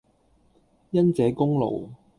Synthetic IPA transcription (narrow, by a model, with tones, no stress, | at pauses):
jɐ˥nt͡sɛː˨˥kʊ˥ŋlo̰˨˩w